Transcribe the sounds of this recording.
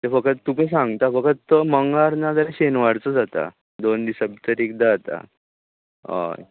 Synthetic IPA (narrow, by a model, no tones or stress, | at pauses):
t̪efəkət̪t̪ːumis̬ãŋɡt̪afəkət̪t̪ːəməŋɡaɾnad͡z̪aɾeɕenʋaɽt͡səd͡zat̪a̰ | d̪ond̪isəb̚t̪əɾekd̪at̪a̰ | a̰